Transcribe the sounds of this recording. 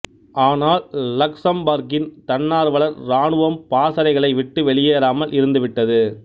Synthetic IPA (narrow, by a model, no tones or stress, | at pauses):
ʔaːnaːlːɐksɐmbaːɾɡɪnt̪ɐnːaːɾʋɐɭɐɾɾaːɳɯʋɐmpaːsɐɾɐɪɣɐɭɐɪʋɪʈːɯʋɛɭɪjeːɾaːmɐlʔɪɾɯnd̪ɯʋɪʈːɐðɯ